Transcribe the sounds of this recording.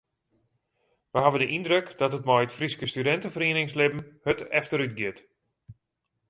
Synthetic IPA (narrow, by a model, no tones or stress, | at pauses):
ʋəɦavəndəʔindrøkdɔtət̚mɔjətfriskəstydɛntəfəriənɪŋslɪbn̩høtɛ̰ftəɾyt̚ɡɪt